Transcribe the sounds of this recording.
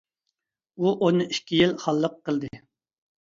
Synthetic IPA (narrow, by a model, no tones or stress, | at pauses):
uʔonɨiʃkʲʰijilχɑlˠːəqːəlˠd̪ɨ